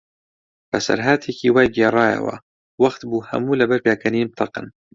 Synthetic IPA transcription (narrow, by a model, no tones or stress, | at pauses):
b̥ɐsɐ̰ɾɦaːt̪ʰikʰiwaːjɡeːrˤɑːjɐ̰wɐ̰ | wɐxt̪buːhɐ̰muːlɐbɐɾpjaːkʰɐniːb̚t̪ʰɑqɨ̰n